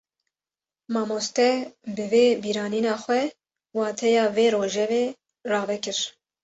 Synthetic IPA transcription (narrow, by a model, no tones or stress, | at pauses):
mɑːmoːst̪ɛbɨveːbiːɾɑːniːnɑːxʷɛ | wɑːt̪ʰɛjɑːveːɾoːʒɛveː | rɑːvɛkɨɾ